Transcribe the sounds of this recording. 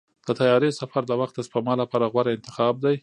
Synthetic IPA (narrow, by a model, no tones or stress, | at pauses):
d̪̥ət̪ajɑɾesafaɾd̪əwaxt̪əspamɑlapɑɾaɣwaɾaɪnt̪ɪ̥xɑb̚d̪aj